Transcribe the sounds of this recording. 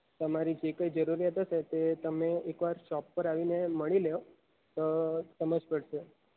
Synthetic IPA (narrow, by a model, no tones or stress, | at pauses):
t̪əmaɾid͡ʒekəjd͡ʒəɾuɾijat̪əʃet̪et̪əmeekʋaɾʃɔpːəɾaʋineməɭileo | t̪osəməd͡ʒpəɽʃe